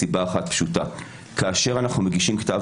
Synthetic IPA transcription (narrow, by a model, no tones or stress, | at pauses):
ibaːχatpʃuta | kaːʃe̞ʁanaχnumeɡiʃimktav